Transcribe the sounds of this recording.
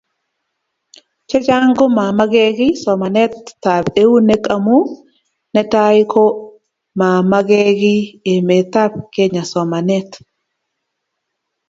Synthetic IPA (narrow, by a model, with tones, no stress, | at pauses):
t͡ʃɔ˦d͡ʒa˦ŋɡo˦ma˨ma˦ɡɛ˦ɡɪ˦sɔ˨ma˨nɛ˦t̪ːa˨be˦u˦ne˦ka˨mu˦ | nɛ˦ta˦ɪ˦kʰɔ˦ | ma˨ma˦ɡɛ˦ɡɪ˦e˨me˨t̪a˦b̚ke˦ɲa˨sɔ˨ma˨nɛ˦t̪